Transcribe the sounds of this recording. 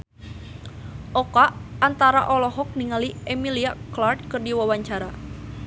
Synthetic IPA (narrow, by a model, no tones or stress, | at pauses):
ʔɔkaʔant̪aɾaʔɔlɔɦɔk̚niŋaliʔɛmiliaklard̪̚kɨrdiwawaɲt͡ʃaɾa